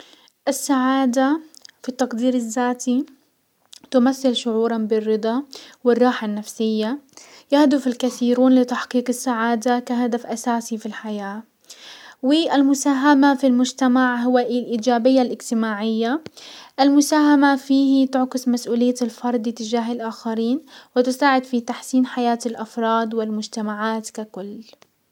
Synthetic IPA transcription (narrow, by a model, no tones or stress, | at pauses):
ʔɪsːaʕaːd̪afit̪ːɑqd̪iːɾɪzːaːt̪i | t̪ʊmaθːɪlʃʊʕuːɾˤɑnbɪrːɨd̪ˤɑwɪrˤːɑːħanːafsɪjːajahd̪ʊfɪlkaθiːɾuːnlɪt̪aħqiːqɪsːaʕaːd̪akaɦad̪afʔasaːsifilħajaː | wɪʔɪlmʊsaːɦamafilmʊd͡ʒt̪amaʕɦʊwaʔilʔiːd͡ʒaːbɪjːalʔɪd͡ʒt̪ɪmaːʕɪjːaʔɪlmʊsaːɦamafiːhit̪ʊʕqɪsmasʔuːlɪjːalfɑɾˤd̪ˤɪt̪ɪd͡ʒaːɦɪlʔaːxaɾiːnwɪt̪ɪsaːʕɪd̪fit̪aħsiːnħajaːt̪ɪlʔɑfɾˤɑːd̪wɪlmʊd͡ʒt̪amaʕaːt̪kakʊlː